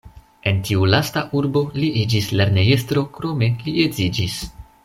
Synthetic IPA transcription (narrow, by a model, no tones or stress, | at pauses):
e̞ntiulastaʔuɾbo̞liʔid͡ʒisleɾne̞je̞stɾo̞kɾo̞me̞lie̞zid͡ʒis